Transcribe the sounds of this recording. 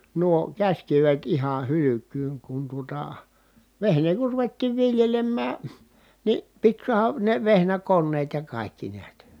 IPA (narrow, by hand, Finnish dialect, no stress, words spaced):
nuo kæsʲkiʋet ihɑn̞ hylykˑyːŋ kun tuotɑ ʋehneː kur ruʋetːiːʋ ʋiljelemːæː ni pit suɑhɑ ne ʋehnækonːeːt jɑ kɑˑikːi niæt